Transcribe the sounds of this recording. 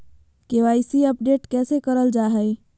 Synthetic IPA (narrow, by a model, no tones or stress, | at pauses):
keʋaːɪsiəpɖeːʈkɛːsekəɾəld͡ʒaːɦɛi